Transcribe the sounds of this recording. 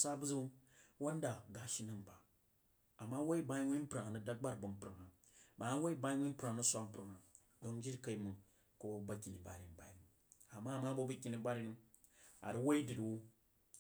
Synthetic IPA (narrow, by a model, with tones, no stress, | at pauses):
sa˦bu˦zu˦u˦wo˦n˦da˨ɡa˨ʃi˦nɨ˦mba˨ | a˨mːa˦wo˦i˦ba˦ji˦wʷi˦m˦pɾa˨ŋ˨nɨ˨da˦ɡ͡ba˦ɾbu˨m˦pɾɨ˨ŋa˨ | ba˨˦wo˦i˦ba˦i˦nʷi˦pɾa˨ŋnu˦sʷa˦m˦pɾɨ˨ŋa˨ | do˦ŋd͡ʒi˦ɾka˨i˨˦mɨ˨ | ko˨bo˨˦ba˦kʲi˨ni˨ba̰˨ɾi˨n˨ba̰˨i˨n˨ | a˨mːa˦˨ma˦bo˦bu˦kʲi˦ni˦a˦ɾi˦nɨ˦ | a̰˨ɾi˦wo˦i˦dɨ˨di˨wu˦